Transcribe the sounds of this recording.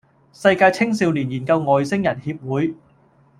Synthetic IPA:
sɐ˧jkaː˧jt͡sʰɪ˥ŋsiː˨˧wliː˨˩njiː˨˩nkɐ˧wŋɔː˨˩jsɪ˥ŋjɐ˨˩nhiː˧p̚wuː˨˥j

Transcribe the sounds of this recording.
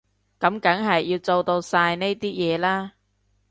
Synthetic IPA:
kɐ˨˥mkɐ˨˥ŋɦɐ˨jːiː˧wt͡so˧wt̪o˧wsaː˧jne˥jt̪iː˥jɛː˨˧laː˥

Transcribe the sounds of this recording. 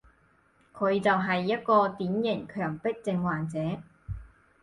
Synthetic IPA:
kʰɵ˨˧ɥt͡sɐ˨wɦɐ˨jːɐ˥t̚kɔː˧t̪iː˨˥njɪ˨˩ŋkʰœː˨˩ŋpɪ˥k̚t͡sɪ˧ŋwaː˨˩nt͡sɛː˨˥

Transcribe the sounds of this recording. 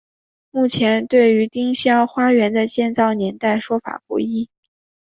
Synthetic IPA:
mu˥˩t͡ɕʰjɛ˧˥nt̪we˥˩ɪy˧˥t̪i˥ŋɕjɑ˥ŋxwa˥ɥɛ˧˥nd̪ə˧t͡ɕjɛ˥˧nt͡sɑ˥˩ʊnjɛ˧˥nt̪a˥˩ɪʂwɔ˥fa̰˨˩pṵ˥˩i˥

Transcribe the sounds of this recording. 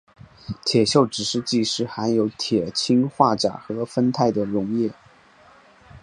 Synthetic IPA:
t̪ʰjɛ˨˩ɕjo˥˩ʊʈ͡ʂɻ̩˨˩ʂɻ̩˥˧t͡ɕi˥˧ʂɻ̩˥˩xa˧˥njo˧˥ʊt̪ʰjɛ˨˩t͡ɕʰi˥ŋxwa˥˩ʈ͡ʂa̰˨˩xɤ˧˥fə˥nt̪ʰa˥˩ɪd̪ə˩ɻʊ˧˥ŋjɛ˥˩

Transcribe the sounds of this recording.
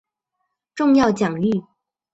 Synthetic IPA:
ʈ͡ʂʊ˥˧ŋjɑ˥˩ʊt͡ɕjɑ˨˩ŋy˥˩

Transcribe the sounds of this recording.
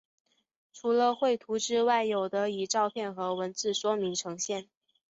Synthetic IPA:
ʈ͡ʂʰu˧˥lə˧xwe˥˩ɪt̪ʰu˧˥ʈ͡ʂɻ̩˥˧wa˥˩ɪjo˨˩ʊd̪ə˦i˨˩ʈ͡ʂɑ˥˧ʊpʰjɛ˥˩nxɤ˧˥wə˧˥nt͡sɹ̩˥˩ʂwɔ˥mi˧˥ŋʈ͡ʂʰɤ˧˥ŋɕjɛ˥˩n

